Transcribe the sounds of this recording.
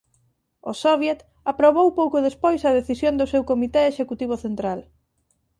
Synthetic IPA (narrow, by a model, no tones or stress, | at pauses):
osoβjet̪ | apɾoβowpowkʊðespojsɐð̞eθisjond̪ʊsewkomit̪eeʃekut̪iβ̞ʊθent̪ɾal